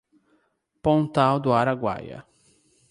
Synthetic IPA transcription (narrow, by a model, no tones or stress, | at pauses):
põnt̪awd̪ʊaɾaɡwa̰jɐ̰